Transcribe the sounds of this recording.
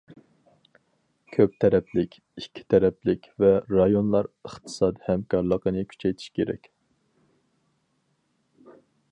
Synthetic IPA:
kʲʰøp̚t̪ʰɛɾɛplɪkʲ | ikʲʰːi̥t̪ʰɛɾɛplɪkʲvɛɾɑjonlˠɑɾəχt̪ʰɨ̥sɑːd̪ihɛmkʰɑɾlˠəqənɨkʲʰy̥t͡ʃʰɛjt̪ʰi̥ʃkʲʰeɾɛ̰kʲ

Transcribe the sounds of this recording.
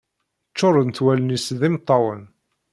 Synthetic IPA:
t͡ʃːoɾˤənθwælənisðɪmt̪ˤːɑwə̰n

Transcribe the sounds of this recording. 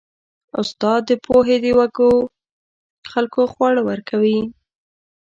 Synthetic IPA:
ʊst̪ɑd̪ːəpʰoɦed̪əwaɡo | xalkoxwɑɽawəɾkʰawi

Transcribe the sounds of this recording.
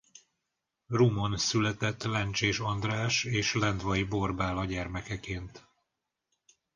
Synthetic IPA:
rumonsylɛt̪ɛt̪ːlɛnt͡ʃeːʃɒnd̪raːʃeːʃlɛnd̪ʋɒjbo̞rbaːlɒɟɛrmɛkɛkeːnt̪

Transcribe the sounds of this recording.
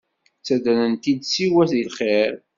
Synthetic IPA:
t͡sːæd̪ænənt̪id̪siwæθilχeɾ

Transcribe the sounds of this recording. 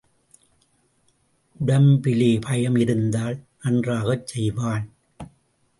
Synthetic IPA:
ʔʊɽɐmpɪleːpʰɐjɐmɪɾɯnd̪aːlnɐndraːɣɐt͡ʃːsɛjʋaːn

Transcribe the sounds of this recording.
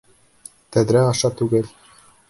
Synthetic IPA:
t̪æðɾæɑʃɑt̪ʉɡɘl

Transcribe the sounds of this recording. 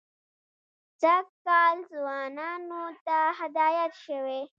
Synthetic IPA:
t͡sakɑːlzwɑːnɑːnot̪ahad̪ɑːjat̪ʃəwe

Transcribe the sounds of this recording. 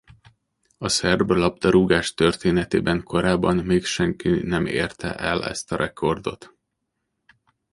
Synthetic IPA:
ɒsɛrblɒb̚d̪ɒɾuɡaːʃt̪ørt̪eːnɛt̪eːbɛŋkʰo̞ɾaːbːɒnmeːkʃɛŋkinɛmḛːrt̪ʰɛ̰ʔɛlɛ̰st̪ɒɾʔɛkʰo̞rd̪o̞̰t̪

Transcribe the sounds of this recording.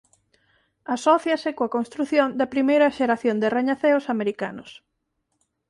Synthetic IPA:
asɔθjɐsɪkoɐkonst̪ɾuθjond̪ɐpɾimejɾɐʃeɾaθjond̪ereɲaθeosameɾika̰nʊs

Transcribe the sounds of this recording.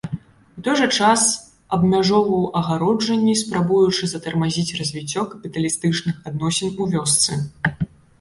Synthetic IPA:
ut̪ɔjʐɐt͡ʂas | ɐbmʲaʐɔvɐwʔɐɣaɾɔd͡ʐɐnʲːispɾabujut͡ʂɨzɐt̪ɐrmazʲit͡sʲrɐzʲvʲit͡sʲːɔkɐpʲit̪ɐlʲist̪ɨt͡ʂnɨxad̪̚nɔsʲɛnuvʲɔst̪sɨ

